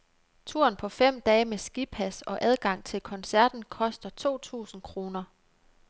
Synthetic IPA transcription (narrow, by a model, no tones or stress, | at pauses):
t͡sʰuɐ̰npʰɒ̽fem̰d̥ɛːmesɡ̥ipʰæsɒ̽ʔæð̞ˠɡ̥ɑ̈ŋ̰t͡sʰe̝lkʰɒ̽nsæɐd̥n̩kʰɒ̽sd̥ɐt͡sʰo̝̰ːt͡sʰṵːsn̩kʰʁo̝ːnɐ